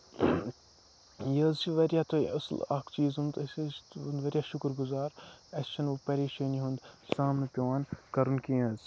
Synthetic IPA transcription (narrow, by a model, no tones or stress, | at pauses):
jɐzt͡ʃʰiʋɐɾʲjaːt̪ʰoʔɐsla̰ːkt͡ʃiːzɦund̪ɐst̪ɦund̪ʋɐɾjaːʃʊkɾɡuzaːɾɐst͡ʃʰɐnupɐɾeːʃɐːniɦund̪saːmnɐpʲːʋaːnkɐɾunkĩɐz